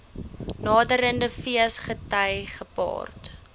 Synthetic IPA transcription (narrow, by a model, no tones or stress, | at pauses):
nɑːdəɾəndəfiəsχətɐjχəpɑ̰ːrt